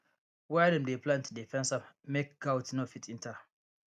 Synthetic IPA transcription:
wadɛ̃mdeplãntdifɛ̃nsamek̚ɡ̥awtnofitʰĩntʰa

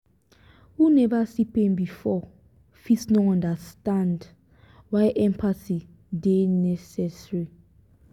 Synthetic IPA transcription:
wunɛvasipɛ̃nbifɔ | fisnɔãndastãnd | wajʔɛ̃mpʰasi | denɛsɛsɹi

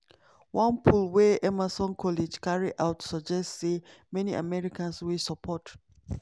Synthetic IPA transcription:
wãnpʰulwɛʔɛmasɔ̃nkʰɔled͡ʒkaɹiʔaʊtʰsɔd͡ʒɛstsemɛniʔa̰mɛɹikãnswisapʰɔt

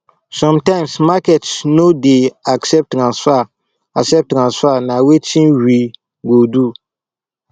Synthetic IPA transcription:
sɔ̃mtãɪ̃msmakɛtsnodeaksɛp̚tŋãswa | aksɛp̚tŋãsʷanawet͡ʃĩnwi | ɡodu

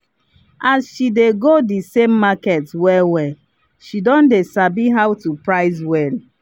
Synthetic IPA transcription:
azʃideɡodisemːaketwɛwɛ | ʃidɔ̃ndesabiɦaʊtupɹaɪzwɛl

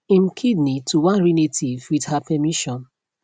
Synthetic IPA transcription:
ĩmkʰidnituwãnɹinetʰivwidhapʰɛmiʃɔ̃n

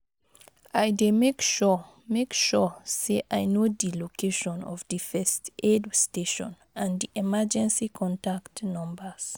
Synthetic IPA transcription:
ajdemekʃɔ | mekʃɔseʔajnodilokʰeʃɔ̃nɔ̰vdifɛstʔedsteʃɔ̰̃n | ãndiʔɛmad͡ʒɛ̃nsikʰɔ̃ntaktnɔ̃mbəs

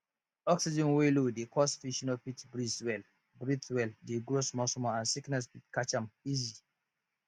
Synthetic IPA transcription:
ɔksid͡ʒɛ̃nwelodekʰɔsfiʃɔ̃nɔpitbɹiswɛl | bɹiθwɛldeɡɹosmɔsmɔãnsiknɛspitkat͡ʃãmizi

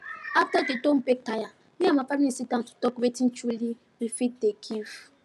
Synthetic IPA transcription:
aftadedõmbek̚taja | niamafaɾĩsidãntu̥dɔkwetint͡ʃuli | ɾifit̚dekʰiv

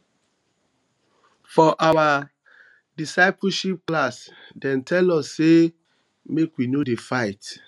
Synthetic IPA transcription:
fɔʔawa | disaɪpoʃip̚klasdɛ̃ntʰɛlɔsːe | mekwinodefaɪt

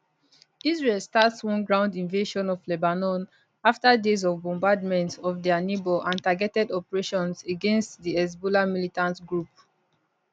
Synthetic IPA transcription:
izɹelstatswɔ̃nɡɹãʊ̃ndĩnveʃɔ̃nɔvlɛbanɔ̃n | aftadezɔvbɔ̃mbad̚mɛ̃ntɔvdɛnibɔlʔãntaɡɛtɛdɔpəɹeʃɔ̃nseɡɛ̃nstdiɛz̬bolamilitãntɡɹup̚

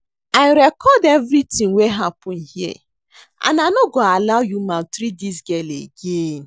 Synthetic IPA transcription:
aɪɾɛkɔdevɾitĩŋweɦapɔ̃nhiɛ̰ | a̰nanoɡoalawjumãtɾidis̬ɡɛlḛɡen

